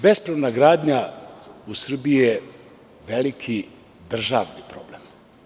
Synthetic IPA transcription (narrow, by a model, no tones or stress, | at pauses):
bespɾoʋnaɡɾaːd̪ɲausr̩biije | ʋelikʰi | d̪r̩ʒa̰ʋnipɾo̞̰blem